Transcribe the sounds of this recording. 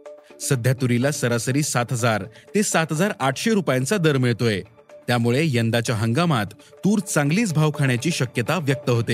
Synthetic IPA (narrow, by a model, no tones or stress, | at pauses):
səd̪ʱjat̪uɾilasəɾasəɾiːsat̪ɦəd͡zaɾt̪esat̪ɦəd͡zaɾaʈʰɕeɾupjãnt͡sad̪əɾmiɭt̪oe | t̪jamuɭejənd̪at͡ɕjaɦəŋɡamat̪ː | uːɾt͡sãŋɡliːt͡sbʱaʋkʰaɳjat͡ɕiːɕəkjət̪aʋjək̚t̪əɦot̪e